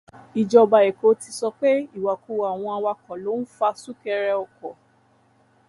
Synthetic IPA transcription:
i˨d͡ʒɔ˧ba˨ɛ˨ko˨˦ti˧sɔ˧k͡pe˦i˦˨wa˨ku˧˨wa˨w̃ɔ̃˧a˧wa˧kɔ˨lo˨˦n̩˦fa˧su˦kɛ˧ɾɛ˧ɔ˨kɔ˨

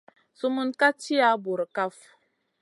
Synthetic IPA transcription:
su˦mu˦nka˦ti˦a˨˦bu˨ɾka˦f

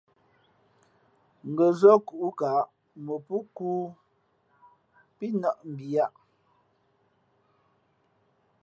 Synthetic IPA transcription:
ŋ˨ɡə˨zɔ˦ku˨ʔu˦ka˨˦ʔ | mə˨pu˦kuː˦ | pi˦nɔ˦˨ʔm̩˨bi˨a˦ʔ

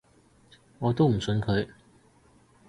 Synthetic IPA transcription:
ŋɔː˨˧t̪o˥wm̩˨˩sɵ˧nkʰɵ˨˧ɥ

